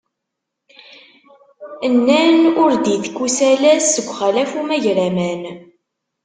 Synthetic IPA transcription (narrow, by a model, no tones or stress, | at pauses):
ənːænʊɾd̪iθkːusælæsːəɡʷːχælæfumæʝɾæmæn